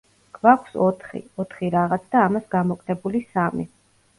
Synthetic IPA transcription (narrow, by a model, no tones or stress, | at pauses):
kʰvakʷʰsɔt̪ʰχḭɔt̪ʰχiɾaʁat̪sʰd̪aːmasɡamɔkʼnɛbulisamḭ